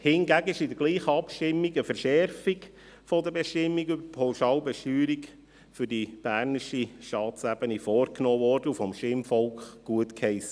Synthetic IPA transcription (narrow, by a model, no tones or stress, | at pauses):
hɪnɡæɡəɪʃɪdəɾɡ̥liːχəɑpʃtɪmːiɡəfəɾʃɛɾfik | fɔdəbɛʃtɪmːikybəpʰoʊʃɑːlbɛʃtyːɾik | fʏɾdib̥æːɾnɪʃiʃtɑːt͡sæb̥ənifɔːrknoːvɔːrd̥əufɔmʃtɪmfɔlkχɡ̥uətkhɛɪsə